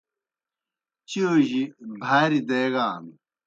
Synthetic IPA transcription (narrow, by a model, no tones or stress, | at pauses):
t͡ɕioʑibʱaːɾid̪eːɣaːmi